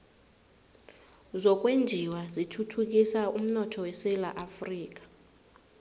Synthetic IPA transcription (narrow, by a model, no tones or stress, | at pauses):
zɔk̬ʼwend͡ʒʱiwazitʰutʰuk̬ʼisaum̩nɔtʰɔwɛsɛlaʔafriːk̬ʼḁ